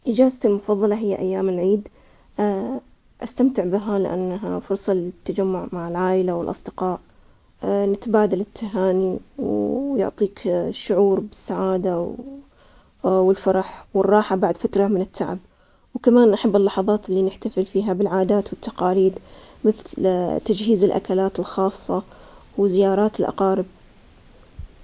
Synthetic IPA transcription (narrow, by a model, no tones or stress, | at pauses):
ʔɪd͡ʒaːzt̪ilmʊfɑðˤːɑlɑɦɪjːaʔajːaːmɪlʕiːd̪ | ʔast̪amt̪ɪʕbɪɦalɪ̰ʔa̰nːɦafʊɾsˤɑlɪt̪ːad͡ʒamːʊʕmaʕɪlʕaːʔɪlawɪlʔɑ̰sˤd̪ɪqɑːʔ | nɪt̪baːd̪alɪt̪ʰːaɦaːniwjʊ̰ʕt̪ˤiːkʃːʊʕuːɾbɪsːaʕaːd̪a | wɪlfɑɾˤɑħwɪrˤːɑːħabaʕd̪fat̪ɾɑmɪnɪt̪ːa̰ʕɪ̰b̚ | wkamaːnʔaħabːɪlːɑħɑðˤɑːt̪ɪlːinɪħt̪afɪlfiːɦabɪlʕaːd̪aːt̪wɪt̪ːɑqɑːliːd̪mɪθlt̪ad͡ʒɦiːzɪlʔa̰kalaːt̪ɪlxɑːsˤːɑ | wɪzɪjɑːɾˤɑːt̪ɪlʔɑ̰qɑːɾɪb̚